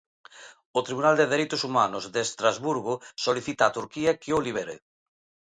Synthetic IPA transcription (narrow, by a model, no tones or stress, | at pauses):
ot̪ɾiβunald̪eðeɾejt̪ʊsumanʊzðeːst̪ɾazβuɾɣʊsoliθit̪aːt̪uɾkiakioliβ̞eɾḛ